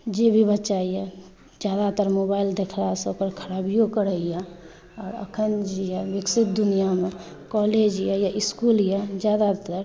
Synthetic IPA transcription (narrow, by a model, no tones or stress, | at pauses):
d͡ʒebʱibət͡ʃaija | d͡ʒjaːd̪at̪əɾmobaːɪld̪ekʰɾasəkəɾkʰəɾaːbijokəɾəija | ɔːɾə̰kʰənd͡ʒijɛbɪksɪt̪̚d̪ʊnijamẽ | kɔːled͡ʒjajaʔɪskuljad͡ʒjaːd̪at̪əɾ